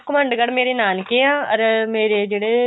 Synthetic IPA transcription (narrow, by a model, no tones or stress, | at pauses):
kʊməɳɖɡəɽmeːɾeːnaːnkeãːɔɾmeːɾeːd͡ʒeːɽeː